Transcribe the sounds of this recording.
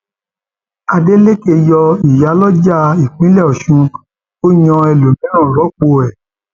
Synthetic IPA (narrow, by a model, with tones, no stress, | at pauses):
a˧de˦le˦ke˧jɔ˧i˨ja˨˦lɔ˦d͡ʒa˦˨i˨k͡pĩ˨˦lɛ˦˨ɔ˨ʃũ˧ | o˦ɲɔ̃˧ɛ˧lo˨mĩ˦ã˦˨ɾɔ˨˦k͡po˧ɛ˨